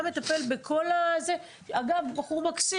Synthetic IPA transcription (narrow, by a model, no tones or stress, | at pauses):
met̪ape̞lbekʰo̞laze | aɡavbaχuʁmaksi